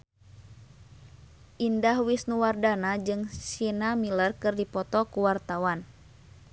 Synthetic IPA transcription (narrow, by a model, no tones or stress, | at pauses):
ʔindahwisnuwardanad͡ʒɨŋsinamilərkɨrdipɔt̪ɔkuwart̪awan